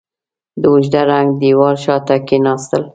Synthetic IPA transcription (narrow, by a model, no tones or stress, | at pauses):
d̪əuʒd̪aɾaŋɡd̪iwɑɾʃɑt̪akenɑst̪əl